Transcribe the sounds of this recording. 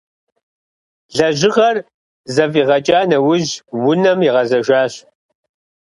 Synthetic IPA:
ɮɐʒɪʁɐr | zɐfiːʁɐt͡ʃʼaːnɐwʊʑwʊnɐmiʁɐzɐʒaːɕ

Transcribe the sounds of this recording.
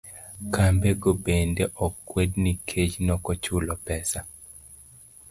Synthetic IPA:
kambeɡobendeʔɔkːwednikʰet͡ʃnɔkɔt͡ʃulɔpɛsa

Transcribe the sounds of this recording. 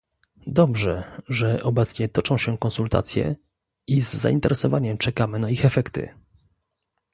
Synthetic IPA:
d̪ɔbʐɛʐɛʔɔbɛt̪sɲɛt̪ɔt͡ʂɔ̃w̃ɕɛkɔ̃nsult̪a̰t̪sʲjɛ̰ | izːa̰int̪ɛɾʔɛsɔvaɲɛmt͡ʂɛkamɘnaixɛfɛkt̪ɘ̰

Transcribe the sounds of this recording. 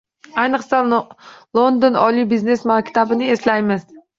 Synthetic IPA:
ajnɨqsalˠond̪onɒlibizne̞smakʲt̪ʰabɪnɪe̞slajmɪz

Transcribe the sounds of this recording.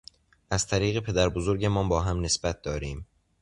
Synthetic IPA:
ʔæz̥t̪ʰæɾiːɣe̞pʰe̞d̪æɾbozoɾɟemɒːmbɒːɦæmne̞sbæt̪̚d̪ɒːɾiːm

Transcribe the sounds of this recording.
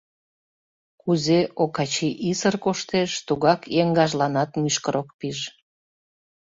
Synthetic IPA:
kuzeʔokɑt͡ɕiʔisərkoʃt̪eʃt̪uɣɑkjeŋɡɑʒlɑnɑt̪myʃkəɾok̚piʒ

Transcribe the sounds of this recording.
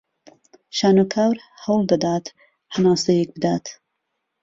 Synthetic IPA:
ʃaːnokʰaːwɾ | hɐwlˠd̪ɐd̪aːt̪ | hanaːsejek̚bɨd̪aːt̪

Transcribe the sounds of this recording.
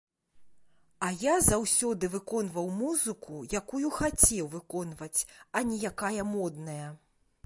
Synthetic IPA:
ɐjazawsʲɔd̪ɨvɨkɔnvɐwmuzɨkʰujakujuxat͡sʲɛwvɨkɔnvɐt͡sʲɐnʲijakajɐmɔd̪nɐjɐ

